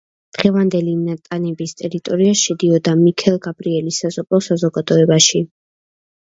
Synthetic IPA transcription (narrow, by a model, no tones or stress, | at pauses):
d̪̥ʁɛvand̪ɛlinat̪ʼanɛbist̪ʼɛɾit̪ʼɔɾiaʃɛd̪iɔd̪amikʰɛlˠɡabɾiɛlisazɔpʼɔsazɔɡad̪ɔɛbaʃi